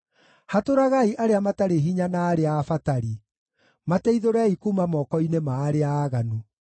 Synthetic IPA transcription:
hatoɾaɣaiʔaɾeamataɾeɦiɲanaːɾeafataɾi | matɛiðoɾɛikumamɔkɔinemaːɾeaːɣanu

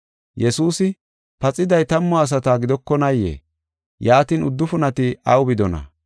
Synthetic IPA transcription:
jɛsuːsɪ | pɐt͡sʼɪd̪ɐjt̪ɐmːɔːs̬ɐt̪aːɡɪd̪ɔkːɔnɐjḛː | jaːt̪iːnʊd̪ːʊfʊnɐt̪ɪɐwbɪd̪ɔnɐ̰

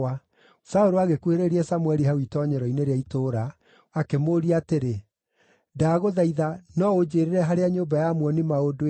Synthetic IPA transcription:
a | saoɾoaɣekweɾeɾiɛsamwɛɾiɦawitɔɲɛɾɔineɾeaitoːɾa | akemoːɾiateɾe | daɣoðaiðanɔod͡ʑeːɾeɾɛɦaɾeaɲoːbajamwɔnimaodo

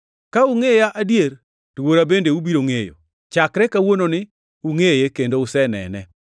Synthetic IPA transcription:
kauŋejaʔadjeɾ | twoɾabendeubiɾoŋejo̰ | t͡ʃakɾɛkawononɪ | uŋejekendoʊsɛnɛ̰nɛ

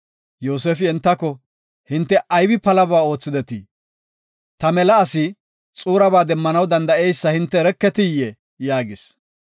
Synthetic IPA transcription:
joːs̬eːfɪɛnt̪ːɐkːɔ | hɪnt̪ːɛʔɐjbɪpɐlɐbaːo̞ːt͡sːɪd̪ɛt̪i | t̪ɐmɛlɐːsɪ | t͡sʼuːɾɐbaːd̪ɛmːɐnɐwd̪ɐnd̪ɐɛjsːɐhɪnt̪ːɛɾɛkːɛt̪ɪjɛ | jaːɡɪs

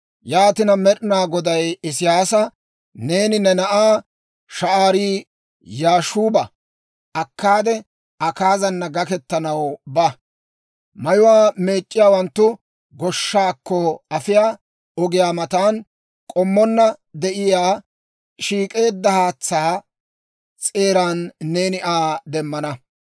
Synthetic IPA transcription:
jaːt̪ɪnɐmɛɗɪnaːɡɔd̪ɐjɪsɪjaːsɐ | ne̞ːnɪnɛnɐʔaː | ʃɐʔaːɾiː | jaːʃuːbɐ | ʔɐkːaːd̪ɛ | ɐkaːzɐnːɐɡɐkɛt̪ːɐnɐwbɐ | mɐjʊwaːme̞ːt͡ʃʼːɪjaːwɐnt̪ːʊ | ɡɔʃːaːkːɔɐfɪjaː | ɔɡɪjaːmɐt̪aːn | kʼɔmːɔnːɐd̪ɛʔɪjaː | ʃiːkʼe̞ːd̪ːɐhaːt͡sːaː | t͡sʼe̞ːɾaːnːe̞ːnɪʔaːd̪ɛmːɐnɐ

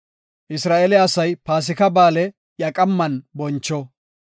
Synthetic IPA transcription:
ʔɪsɾaːʔɛlɪɐsɐjpaːs̬ɪkɐbaːlɛ | jɐkʼɐmːɐnbɔnt͡ʃːɔ

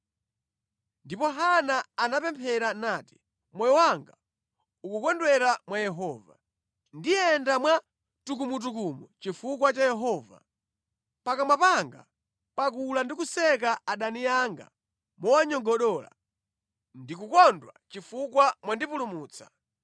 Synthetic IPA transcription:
ndipɔɦanaanapɛmpʰɛɾanaːti̥ | mwɛjɔwaŋɡa̰ | ukukɔndwɛɾamwajɛɦɔːva | ndijɛndamwa | tuk̬umut̬ukumut͡ʃifuk̬wat͡ʃajɛɦɔva̰ | pakamwapaŋɡa̰ | pak̬ulandikusɛk̬aaɗanijaŋɡa̰ | mɔwaɲɔɡɔɗɔːla̰ | ndikukɔndwa̰t͡ʃifukwamwandipulumuːt͡sʰḁ

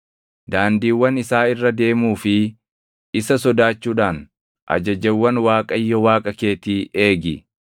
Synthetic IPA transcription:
d̪aːnd̪iːwːɐnɪsaːɪrːɐd̪e̞ːmuːfɪ | ɪsɐsɔd̪aːt͡ʃːuːᶑaːn | ʔɐ̰d͡ʒɐd͡ʒɛwːɐnwaːkʼɐjːɔwaːkʼɐkeːt̪iːe̞ːɡɪ̰

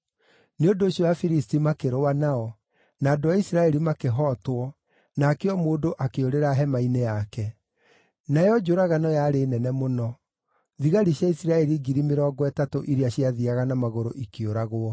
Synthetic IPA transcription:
neondoːɕɔwafiɾistimakeɾoanaɔ | naːdoaisiɾaɛɾimakeɦɔtwɔ | nakeɔmoːdoʔakeoɾeɾaɦɛmainejakɛ | najɔd͡ʒoɾaɣanɔjaɾeːnɛnɛmonɔ | ðiɣaɾiɕjaisiɾaɛɾiɡiɾimeɾɔːɡɔɛtatoʔiɾeaɕiaðiaɣanamaɣoɾo̰ʔikeoɾaɣoɔ

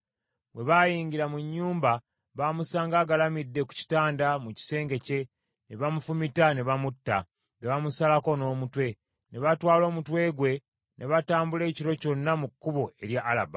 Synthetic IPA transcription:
βwe̞βajiːɲɟiɾamuɲːuːmba | βamusaːŋɡaːɡalamidːe̞ku̥ci̥taːndamuci̥se̞ːŋɡe̞ce̞ | ne̞βamufumitane̞βamutːa̰ | ŋɡeβamusalako̞no̞ːmutwe̞ | ne̞βatwaːlo̞ːmutwe̞ːɡwe̞ | nʔe̞βataːmbule̞ːciɾo̞co̞nːamukːuβo̞e̞ɾjaʔːla̰ba

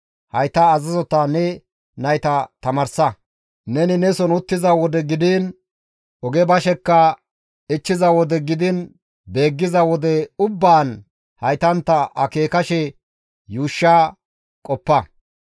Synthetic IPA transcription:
hɐjt̪ɐːzɐzɔt̪aːnɛ | nɐjt̪ɐt̪ɐmɐɾsɐ | nɛnɪnɛsɔnʊt̪ːɪzɐwɔd̪ɛɡɪd̪ɪn | ɔɡɛbɐʃɛkːɐ | ɪt͡ʃːɪzɐwɔd̪ɛɡɪd̪ɪn | be̞ːɡːɪzɐwɔd̪ɛʊbːaːn | hɐjt̪ɐnt̪ːɐʔɐke̞ːkɐʃɛ | juːʃːaː | kʼɔpːɐ

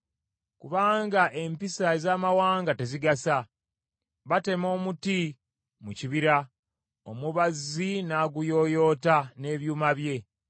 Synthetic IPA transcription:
kuβaːŋɡaʔe̞mpisaezaːmawaːŋɡate̞ziɡasa | βate̞mo̞ːmuti | muciβiɾa | o̰muβazinaːɡujo̞jo̞ːtane̞ːβjuːmaβje̞

